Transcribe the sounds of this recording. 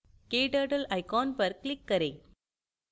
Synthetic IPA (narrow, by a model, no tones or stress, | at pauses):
keːʈaːʈɐlɐɪkaːnpɐɾklɪkːɐɾɐɪ